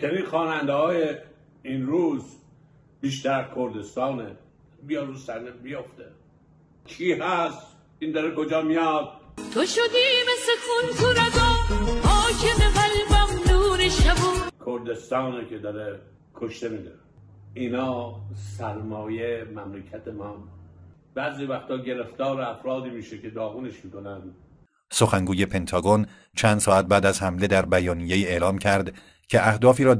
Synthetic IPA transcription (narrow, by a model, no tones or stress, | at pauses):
t͡ʃʰeɾinxɒːnænd̪ehɒːje | inɾuːz | biːʃ̬t̪æɾæzkʰoɾd̪e̞st̪ɒːne | bijɒuːsæɾnebijoft̪e | kʰiːɦæst̪ | ind̪ɒɾekod͡ʒɒːmijɒːd̪̚t̪ʰoʃod̪iːmesekʰunt̪ʰuɾæɡɔːhɒːkʰemebælvæmnuːɾeʃabukʰoɾd̪e̞st̪ɒːnekʰed̪ɒɾe | kʰoʃt̪emiːd̪æ | inɒːsæɾmɒːjemæmlekʰæt̪ʰemɒːmu | bæziːvæxt̪ʰɒːɟeleft̪ɒːɾeæfɾɒːd̪iːmiːʃekʰed̪ɒːɣuneʃmiːkonæn | so̞xæŋɡuːje̞pʰe̞nt̪ʰɒːɡon | t͡ʃʰænd̪̥sɒːæt̪̚bæːd̪æzhæmle̞d̪æɾbæjɒːnije̞iːe̞lɒːmcʰæɾd̪ | cʰe̞ʔæhd̪ɒːfiːɾɒː